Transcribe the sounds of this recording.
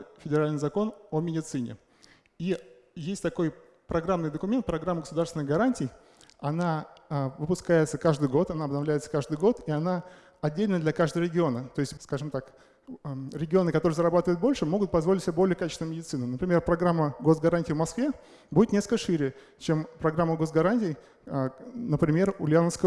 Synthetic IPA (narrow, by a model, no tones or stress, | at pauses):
fʲɪdʲɪɾalʲnɨjzɐko̞nomʲɪdʲɪt̪sɨnʲɪ̰ | i | jesʲtʲt̪ɐko̞j | pɾɐɡɾamnɨjd̪əkʊmʲent̪̚pɾɐɡɾamːəɡə̥sʊd̪aɾrsvʲɪnɨɣɡɐɾanʲtʲɪj | ɐnavɨpʊskajɪt̪səkaʐd̪ɨjɡo̞t̪ɐnaɐbnɐvlʲæjɪt̪sə̥kaʐd̪ɨjɡo̞t̪iɐna | ɐdʲːelʲnəjəd̪lʲɐkaʐd̪əvəɾʲɪɡʲɪo̞nət̪o̞ɪsʲtʲskaʐɨmt̪ak | ɾʲɪɡʲɪo̞nɨkɐt̪oɾɨjzəɾɐbat̪əvəjʊt̪̚bo̞lʲʂɨmo̞ɡʊt̪̚pɐzvoɪtʲsʲɪbʲebolʲɪjəkat͡ɕɪ̥st̪ʲnmʲɪdʲɪt̪sɨnənəpɾʲɪmʲe̞rpɾɐɡɾamːəɡo̞s̬ɡɐɾanʲtʲɪjvmɐskvʲe | budʲɪt̪nʲeskɨkəʂɨɾʲɪjə | t͡ɕempɾɐɡɾamːəɡo̞sɡɐɾanʲtʲɪj | nəpɾʲɪmʲe̞rʊlʲɪanəfskə